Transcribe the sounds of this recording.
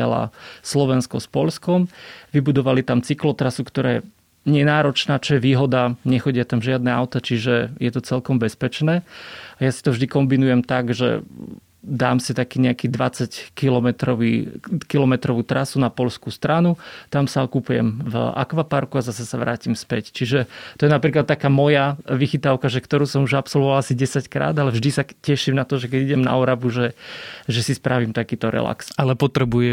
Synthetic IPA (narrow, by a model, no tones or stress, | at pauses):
a̰la̰slɔʋɛnskɔspɔʎskɔmʋibud̪ɔʋalit̪amt͡siklɔt̪ɾasukt̪ɔɾaːɛ | ɲɛnaːɾɔt͡ʃnaːt͡ʃɔjɛʋiːɦɔd̪aɲɛxɔɟɪat̪amʒɪad̪̚nɛaʊt̪at͡ʃiʒɛjɛt̪ɔt͡sɛlkɔmbɛspɛt͡ʃnɛːajasi̥t̪ɔvʒd̪ikɔmbinujɛmt̪aɡʒɛ̰ | d̪aːmsit̪akiːɲɛakiːd̪ʋat͡sackilɔmɛt̪ɾɔʋḭːkilɔmɛt̪ɾɔʋuːt̪ɾasunapɔʎskust̪ɾanut̪amsaɔkupujɛ̰mva̰kʋapaɾkuazasɛsaʋɾa̰ːcimspɛct͡ʃiʒɛt̪ɔjɛnapɾiːklat̪ːakaːmɔjaʋixit̪aʊkaʒɛkt̪ɔɾuːsɔmuʒapsɔlˠʋɔʋalasiɟɛsackɾa̰ːd̪alɛvʒd̪isacɛʃimnat̪ɔʒɛkɛɟiɟɛmna̰ɔɾabuʒɛʒɛsispɾaʋimt̪akiːt̪ɔɾɛ̰la̰ksalɛpɔt̪ɾɛbujɛ